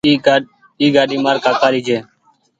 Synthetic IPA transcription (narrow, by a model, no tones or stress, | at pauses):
iːɡaːɗiːmaːɾkaːkʰaːɾiːd͡ʒeː